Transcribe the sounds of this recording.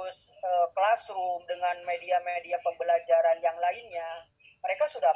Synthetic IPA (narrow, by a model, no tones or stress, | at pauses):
ʊs | əːkəlasɾʊmdəŋanmediamediapəbəlad͡ʒaɾanjaŋlaɪnɲa | məɾekasuda